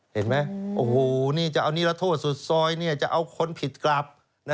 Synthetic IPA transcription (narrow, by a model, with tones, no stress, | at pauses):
he˨˦nma˦˥jʔoː˧˩hoː˨˩niː˧˥˩t͡ɕa˨˩ʔa˧wniː˧˥˧la˧t̪ʰoː˥˩t̪̚su˨˩t̪̚sɔː˧jniː˥˩t͡ɕa˨˩ʔa˧wkʰo˧˥npʰi˨˩t̪̚kla˧˩p̚ | na˦˧